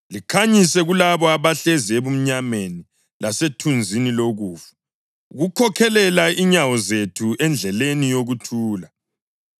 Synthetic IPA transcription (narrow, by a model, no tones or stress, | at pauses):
likʰaɲisɛɣulaβɔaβaɬɛzieβum̩ɲameni | lasetʰund͡zʱiniloɣuːfu̥ | ɣukʰɔkʰɛlɛlaʔiɲawɔzetʰuʔɛnd͡ɮʱɛlenijoɣutʰuːla